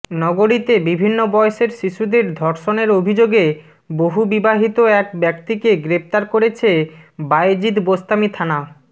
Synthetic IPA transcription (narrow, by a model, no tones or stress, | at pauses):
nɔɡoɾit̪ebibʱinːobɔeʃeɾʃiʃud̪eɾd̪ʱɔɾʃoneɾobʱid͡ʑoɡe | boɦubibaɦit̪oɛkbɛkt̪ikeɡɾept̪aɾkoɾet͡ɕʰebajd͡ʑid̪bost̪amit̪ʰana